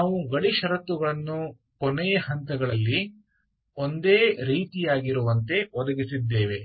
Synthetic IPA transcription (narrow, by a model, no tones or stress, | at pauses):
naːʋuɡɐɽiʃɐɾɐt̪ːuɡɐɭɐnːu | kɔnɛjɐhɐnt̪ɐɡɐɭɐlːi | ond̪eːɾiːt̪ijaːɡiɾuʋɐnt̪e̞ɔd̪ɐɡisid̪ːeːʋe̞